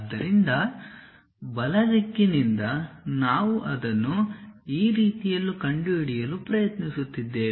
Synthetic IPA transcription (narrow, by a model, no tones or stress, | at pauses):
d̪ːɐɾind̪ɐ | bɐlɐd̪ikːinind̪ɐnaːʋuʔɐd̪ɐnːuiːɾiːt̪ijɐlːukɐɳɖuiɽijɐluːpɾɐjɐt̪nisut̪ːid̪ːe̞ː